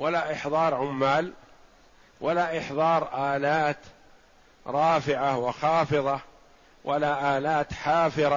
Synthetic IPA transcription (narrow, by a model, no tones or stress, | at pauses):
walaʔɪħðˤɑːɾˤʕʊmːaːl | walaʔɪħðˤɑːɾˤʔaːlaːt̪ | ɾˤɑːfɪʕawɪxɑːfɨðˤɑ | wʔalaːʔaːlaːt̪ħɑːfɪɾˤɑ